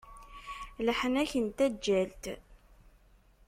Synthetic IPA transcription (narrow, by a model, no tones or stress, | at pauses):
ləħənæçənt̪æd͡ʒːælt̪